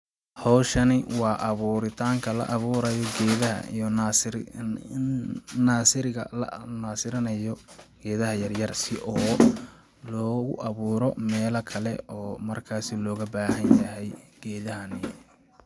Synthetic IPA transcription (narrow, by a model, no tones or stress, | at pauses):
hɔwʃɐnɪwɑːʔɑβuːɾɪt̪ʰaːŋkʰɐlɐ̰ʔɑβuːɾɐjɔɡɛːðɐɦɐ̰n | nnaːsɪɾɪɣɐ̰lɐ̰naːsɪɾɐnɐjɔɡ̥ɛːðɐɦɐjɐrjɐrsɪʔɔː | lɔːɣʊʔɐβuːɾɔmɛːlɐkʰɐlɛʔɔːmɐrkʰaːsɪlɔːɣɐbaːɦɐnjɐɦɛjɡ̥ɛːðɐɦɐnɪ